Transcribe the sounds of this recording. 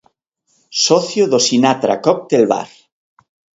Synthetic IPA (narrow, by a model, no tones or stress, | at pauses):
sɔθjoðosinat̪ɾa̰kɔk̚t̪elβa̰r